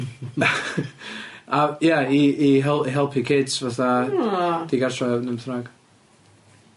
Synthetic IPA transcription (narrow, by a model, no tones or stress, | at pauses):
ajaiːɦɛlɦɛlˠpʰikʰɪdsvaθa | d̥iɡarsrɔnəmθnaɡ̥